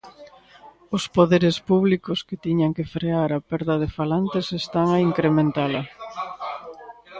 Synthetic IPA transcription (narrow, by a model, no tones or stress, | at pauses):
ʊspoðeɾespuβlikʊsket̪iɲaŋkefɾeaɾɐpɛɾðɐð̞efalant̪esest̪aŋaiŋkɾemẽnt̪alɐ